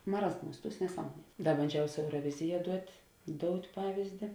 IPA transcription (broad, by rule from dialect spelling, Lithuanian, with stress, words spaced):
mɐˈrɑːzˌmuːs ˈtuːs nʲɛˈsɑːmuɔnʲiɛ ˈdɐ bɐnʲˈd͡ʒʲɛʊ sʊ ɛʊroːˈʋʲɪzʲɪjɛ ˈduɔtʲ ˈdoːʊtʲ ˈpɑːʋʲɪzʲdʲɪ